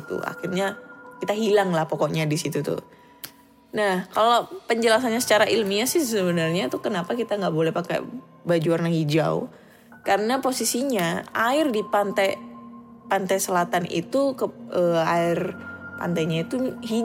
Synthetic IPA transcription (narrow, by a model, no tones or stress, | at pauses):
t̪ṵa̰xirɲakit̪aɦilaŋlahpokɔʔɲadisit̪ut̪ʊ̰ | nahkalopəɲd͡ʒəlas̬aɲasə̥t͡ʃaɾaʔilmiasɪhsəbənarɲat̪ukənapakit̪aŋɡaʔbolɛhpaka̰ | bad͡ʒuarnahid͡ʒa̰ṵ | kaɾənaposisiɲaaɪrdipant̪aj | pant̪ajsəlat̪anḭt̪ukəəaɪrpa̰nt̪ajɲait̪uɦi